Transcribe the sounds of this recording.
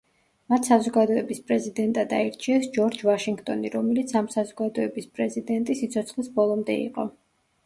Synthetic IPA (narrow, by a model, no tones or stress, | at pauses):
mat̪ʰsazɔɡad̪ɔɛbispʼɾɛzid̪ɛnt̪ʼad̪aiɾt͡ʃʰiɛsd͡ʒɔɾd͡ʒvaʃiŋɡt̪ʼɔniɾɔmɛlit̪sʰamsazɔɡad̪ɔɛbispʼɾɛzid̪ɛnt̪ʼisit̪sʰɔt̪sʰχlisbɔlˠɔmd̪ɛḭqʼɔ